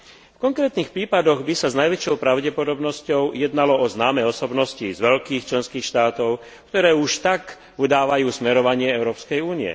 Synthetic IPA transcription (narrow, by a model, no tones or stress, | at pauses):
fkɔŋkɾɛːt̪niːxpɾiːpad̪ɔɣbisaznajʋɛt͡ʃɔʊpɾaʊɟɛpɔd̪ɔbnɔscɔʊjɛd̪nalɔɔznaːmɛɔsɔbnɔscizʋɛʎkiːxt͡ʃlɛnskiːxʃt̪aːt̪ɔʊ | kt̪ɔɾɛːuʃt̪ak | ud̪aːʋajuːsmɛɾɔʋaɲɪɛɛʊɾɔːpskɛjuːniɛ̰